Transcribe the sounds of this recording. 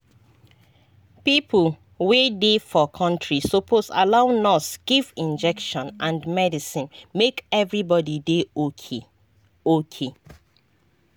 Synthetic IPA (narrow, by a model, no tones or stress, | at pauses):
pipl | wedefɔkʰɔ̃ntɹisopʰosa̰laʊnɔsɡ̥ivĩnd͡ʒɛkʃɔ̃nʔãndmɛdisĩnmekɛvɹibɔdide | okʰe